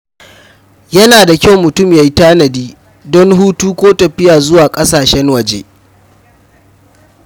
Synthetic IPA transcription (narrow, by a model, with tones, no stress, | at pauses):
jɐ˦naː˨da˨kʲa˦˨wmʊ˨tʊ˦˨mja˨ji˦taː˦nɐ˨diː˦ | dɔ˦ŋɦuː˦tuː˦kʷoː˦tɐ˨ɸɪ˦jaː˨zʊ˦waː˨kʼɐ˦saː˨ʃɛ˦ŋwɐ˨d͡ʒḛː˦